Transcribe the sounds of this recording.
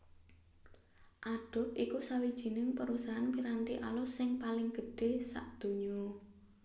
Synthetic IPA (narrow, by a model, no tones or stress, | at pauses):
ʔaɖ̥ɔ̤t̪ʔikusawid̥ʒ̥i̤nɪŋpəɾusaɦanpiɾant̪iʔalɔsɪŋpalɪŋɡ̥əɖ̥e̤sa̰ʔd̪̥o̤ɲɔ